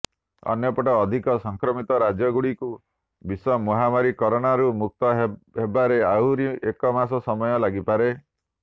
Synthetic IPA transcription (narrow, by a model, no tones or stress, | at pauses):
ɔ̰njɔpɔʈɔːd̪ʱikɔsɔŋkɾɔmit̪ɔɾad͡ʒjɔɡuɽiku | bisɔmɔɦamaɾikɔɾɔɽ̃aɾumuk̚t̪ɔɦɦebaɾeawɾiekɔmasɔsɔmɔjɔlaɡipaɾe